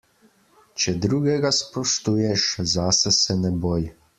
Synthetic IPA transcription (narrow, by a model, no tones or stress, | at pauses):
t͡ʃɛd̪ɾuːɡɛɡaspɔʃt̪ujɛʃzaːsɛsɛnɛboːj